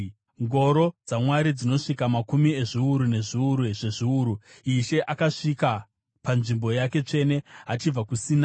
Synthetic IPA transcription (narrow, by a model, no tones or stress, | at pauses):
ŋɡo̞ɾo̞d͡zamwaɾid͡zino̞ʂikamakumie̞ʐiuɾune̞ʐiuɾuʐe̞ʐiuɾuiʃe̞ʔakaʂika | panʐimbo̞jake̞t͡ʂe̞ne̞ɦat͡ʃib͡vakusiːna